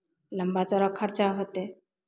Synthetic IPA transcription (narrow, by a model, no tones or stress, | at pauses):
ləmbat͡sɔɾakʰːaɾt͡ɕaɦət̪e